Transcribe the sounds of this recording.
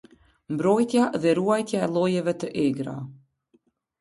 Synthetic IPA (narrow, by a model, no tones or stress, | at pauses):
mbɾɔjt̪jaðɛɾuajt̪jaɛlˠɔjɛvɛt̪əʔɛɡɾa̰